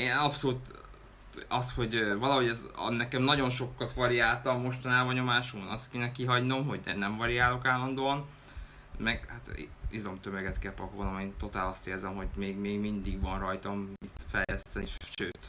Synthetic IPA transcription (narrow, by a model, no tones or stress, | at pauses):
eːnɒpso̞luːt̪ | ɒsho̞ɟvɒlɒɦo̞ɟɛzɒ̰nːɛkɛmnɒɟo̞nʃo̞kːɒt̪ʋɒɾijaːlt̪ɒmːo̞ʃt̪ɒnaːbɒɲo̞maːʃumɒnɒst̪keːnɛkiɦɒɟno̞mɦo̞ɟɛ̰nɛɱvɒɾijaːlo̞kaːlːɒnd̪oːɒn | mɛɡhat̪izo̞mt̪ømøɡɛt̪kɛlpɒkoːnomeːnt̪o̞t̪aːlɒst̪eːrzɛmho̞ɟmeːɡmeːɡmind̪iɡvɒnrɒjt̪ɒmit̪fɛjlɛst̪ɛniʃʃø̰ːt̪